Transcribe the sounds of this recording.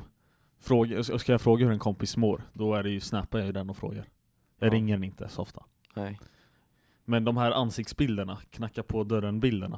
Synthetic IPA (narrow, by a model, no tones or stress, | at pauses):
fɾoːɡskajɑfɾoːɡahɵɾɛnkʰɔmpɪsmoːɾd̪ɔæɖɛjɵsnɛːpaɾjɑjɵd̪ɛnːɔfɾo̰ːɡaɾ | jɑːɾɪŋːəɾɛnɪnt̪ʰə̰sɔft̪ʰa | mɛnd̪ɔmɦæːɾʔansɪkt̪sbɪld̪əɳakʰnakːaɾpʰɔd̪œɾənbɪld̪əɳa̰